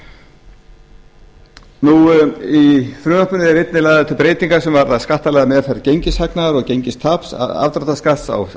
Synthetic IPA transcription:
nuifɾʏːnapʏnɪðɛɾejt̪nɪlajɣðaɛt̪ʰʏpɾeːjt̪iŋkḁsɛmvaɾθaðskaht̪alɛɣðamɛːðfɛɾcejɲcɪshaknaɾɔɣcejɲcɪst̪ʰapsa̰vt̪ɾat̪askaht̪sa̰w

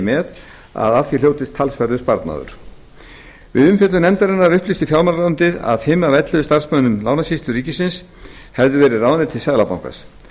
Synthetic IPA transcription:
mɛð | a̰ðafθjil̥jowt̪ɪst̪ʰːalsfɛɾðʏspaɾt̪na̰ːðʏ̰ɾ̥ | vɪðʏmfjɛt̪lʏnɛmt̪aɾɪnːaɾʏhplist̪ɪfjawlmanlant̪ɪða̰ðfɪːmavɛt̪lɪðʏst̪aɾ̥smœnʏmlawnasist̪ʏriːcɪsɪns | hɛvðɪvɛːɾɪraːwðnɪt̪ʰɪlsaðlapawŋka̰s

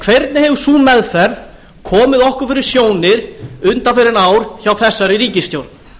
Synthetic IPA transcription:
kʰv̥ɛɾt̪nɪhɛvʏ̥suːmɛðfɛɾð | kʰɔːmɪðɔhkʏɾ̥fɪɾɪɾ̥sjoːwnɪɾ̥ʏnt̪afɪɾɪnaːwɾ̥çawθɛsːaɾɪɾiːcɪst̪jowɾt̪n

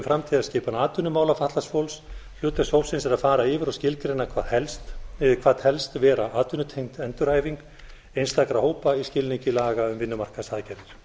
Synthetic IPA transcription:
mfɾamt̪ʰiðaðscɪːpanaːt̪ʏnːʏmaːwlafaht̪lasfowlsl̥ʏːt̪ashowsɪnsɛɾaðfaːɾaɪːvɪɾawscɪlkɾeɪnːakʰvaɛlst̪kʰvaːðhɛlst̪vɛːɾaʔaːt̪ʏnʏt̪ʰejŋ̥t̪ɛnt̪ʏɾ̥haːjviŋk | ejnst̪akɾahoːwpaiscɪlniɲcɪlaːɣaʏmvɪnːʏmar̥kasaːðcɛɾðɪɾ̥

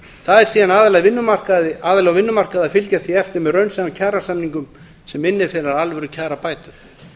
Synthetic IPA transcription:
θaðɛɾ̥siːðanaːðalaɣvɪnːʏmar̥kaðɪʔaːðalaɣvɪnːʏmar̥kaðafɪlcaθiɛft̪ɪɾmɛðrœɥnsacʰaːɾasamniŋkʏm | sɛmɪnːɪɾ̥fɪːɾaɾalvʏɾʏcʰaːɾapaːjt̪ʏɾ

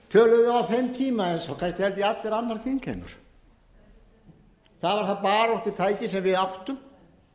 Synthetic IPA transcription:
fʰœːlʏðɪawfɪmt̪ʰiːmaɛnsawkʰanst̪hɛlt̪iat̪lɛɾanːaɾθinkʰɛ̰ːmʏ̰ɾ̥ | θaðvaɾ̥θaðpaːɾaɔht̪ɪt̪ʰaːjcɪsɛmvɪðawht̪ʏm

